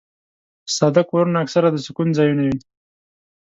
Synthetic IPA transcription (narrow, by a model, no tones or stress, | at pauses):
sɑd̪akoɾunaaksaɾad̪əsʊkunzɑjunawin